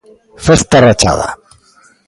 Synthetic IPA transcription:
fest̪arat͡ʃa̰ð̞a̰

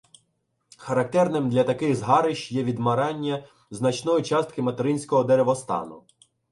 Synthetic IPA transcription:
xɐɾɐk̚t̪ɛrnɪmd̪lʲɐt̪ɐkɪɣzɦɑɾɪʃjɛʋʲid̪mɐɾɑnʲːɐ | znɐt͡ʃnɔjʊt͡ʃɑst̪̚kɪmɐt̪eɾɪnʲsʲkɔɦɔd̪eɾeʋɔst̪ɑ̰nʊ̰

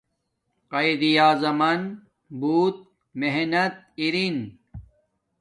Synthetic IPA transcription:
qɐjd̪ijaːzɐmɐn | buːt̪̚ | meɦnɐt̪̚ | iɾin

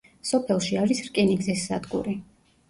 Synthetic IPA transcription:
sɔpʰɛlˠʃiaɾisɾkʼɛniɡzɛsːa̰d̪ɡṵɾi

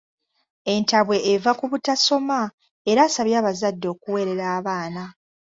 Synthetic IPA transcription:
e̞ntaβwe̞ʔːvakuβutaso̞ma | e̞ɾaːsaβjaːβazadːo̞ːkuwe̞ːɾe̞ɾaːβaːna

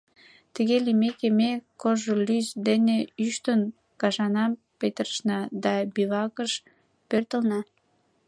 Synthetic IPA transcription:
t̪əɣelimekemekoʒolyzd̪eneyʃt̪ən | kɑʒɑnɑm | pet̪ərʃnɑd̪ɑbiβɑkəʃ | pørt̪ə̆lnɑ

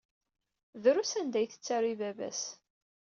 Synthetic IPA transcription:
ðɾusænd̪æjθə̥t͡sːaɾivævæ̰s

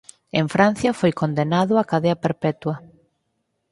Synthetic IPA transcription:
eɱfɾan̟θjɐfojkond̪enaðʊakaðeɐpeɾpɛt̪wɐ

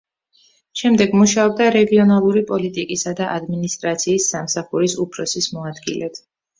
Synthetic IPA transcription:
ʃɛmd̪ɛɡmuʃaɔb̚d̪aɾɛɡiɔnalˠuɾipʼɔlit̪ʼikʼisad̪aʔad̪minist̪ʼɾat̪sʰiːsːamsaχuɾisupʰɾɔsismɔad̪ɡḭlɛb

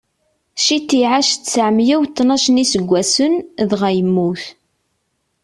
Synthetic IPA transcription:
ʃit̪ːiʕaʃt͡sːʕəmjæwt̪ːnɑʃnisəɡʷːæsənðʁæjəmːuθ

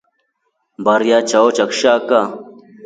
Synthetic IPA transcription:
bɐɾjaːt͡ɕaot͡ɕɐkɕaːka

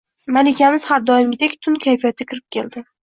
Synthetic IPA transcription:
malɪkʲʰamɪz̥haɾd̪ɒjɪmʲɪd̪ekʲt̪ʰʊnkʲʰajfijat̪ʰɪkʰʲɪɾɪp̚kʲʰeld̪ɪ

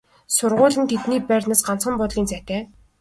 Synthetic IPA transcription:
sʊrʁʊːɮɘ̆nt̪ʰet̪niːpærʲnaːsɢan̥t͡sχə̆mpɔt̪ɮiːnt͡sʰæt̪æː

